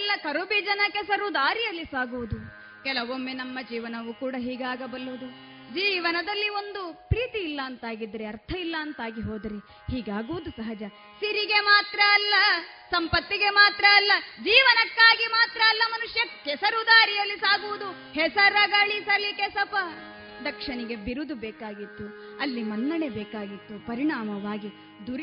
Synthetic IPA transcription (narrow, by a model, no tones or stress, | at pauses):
lːɐkɐɾubid͡ʒɐnɐkɛsɐɾud̪aːɾijɐlːisaːɡuʋud̪u | kɛlɐʋomːenɐmːɐd͡ʒiːʋɐnɐʋukuːɽɐɦiːɡaːɡɐbɐlːuʋud̪u | d͡ʒiːʋɐnɐd̪ɐlːio̞nd̪upɾiːt̪iːlːɐɐnt̪aːɡid̪ɐɾeɐɾt̪ʰɐilːɐːnt̪aːɡiɦoːd̪ɐɾe | hiːɡaːɡuʋud̪usɐɦɐd͡ʒɐ | siɾiɡe̞maːt̪ɾɐːlːɐ | sɐmpɐt̪ːiɡe̞maːt̪ɾɐːlːɐd͡ʒiːʋɐnɐkːaːɡimaːt̪ɾɐːlːɐmɐnuʂjɐkɛsɐɾud̪aːɾijɐlːisaːɡuʋud̪u | hɛsɐɾɐɡɐɭisɐlːikɛsɐpɐ | d̪ɐkʂɐɳiɡe̞biɾud̪ubɛːkaːɡit̪ːu | ɐlːimɐnːɐɳebɛːkaːɡit̪ːupɐɾiɳaːmɐʋaːɡi | d̪uɾ